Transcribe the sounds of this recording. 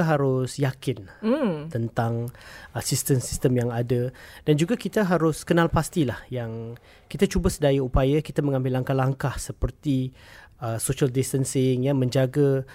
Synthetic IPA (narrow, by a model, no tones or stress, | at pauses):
ɦaɾʊsjakɪnt̪ənt̪aŋʔasist̪ənsist̪əmjaŋadəd̥and͡ʒuɡakit̪aɦaɾʊskənãlpast̪ilahjaŋ | kit̪at͡ʃubəsədajaupajakit̪amə̃ŋãmbɪlːaŋkahlaŋkahsəpərt̪iəsoʃaldist̪ənsɪŋjamə̃ɲd͡ʒaɡa